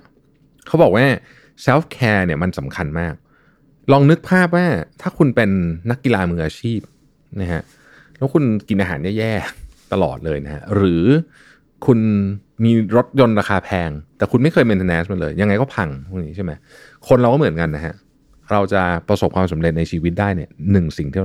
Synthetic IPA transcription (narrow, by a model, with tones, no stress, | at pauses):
kʰa˦˥wbɔː˨˩k̚waː˥˩ | sɛ˦˥fkʰɛː˧ni˥˩ɐma˧nsa˩˦mkʰa˧nmaː˥˩k̚ | lɔː˧ŋnɯ˦˥k̚pʰaː˥˩p̬̚waː˥˩t̪ʰaː˥˩kʰu˧npe˧nːa˦˥kːi˧laː˧mɯː˧ŋʔaː˧t͡ɕʰiː˥˩p̚ | na˦˥kʰa˦˥ʔ | lɛː˦˥wkʰu˧nki˧nʔaː˧ɦaː˩˦njɛː˥˩jɛː˥˩t̪a˧lɔ̰ː˨˩t̪̚lɤː˧jna˦˥kʰa̰˦˥ɾɯː˩˦ | kʰu˧nmiː˧ɾo˦˥t̪̚jo˧nɾaː˧xʰaː˧pʰɛː˧ŋt̪ɛː˨˩kʰu˧nma˥˩jkʰɤː˧jmi˧nt̪ʰːnɛː˦˥sma˧nləɤː˧jːa˧ŋːa˧jkɔː˥˩pʰa˧ŋmʰu˥˩ŋniː˦˥t͡ɕʰa˥˩ma˦j | kʰo˧nɾa˧wkɔ˥˩mɯ˩˦nka˧nːa˦kʰa̰˦˥ | ɾa˧wt͡ɕa˨˩pɾa˧so˨˩p̚kʰwaː˧msa˩˦mɾe˨t̪̚na˧jt͡ɕʰiː˧wi˦˥t̪̚daː˥˩jni˥˩ɐnɯ˨˩ŋsi˨˩ŋt̪ʰi˥˩